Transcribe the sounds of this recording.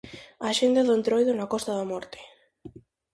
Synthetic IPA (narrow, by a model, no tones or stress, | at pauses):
aʃend̪aðʊent̪ɾojðʊnakɔst̪aðamɔɾt̪ɪ̥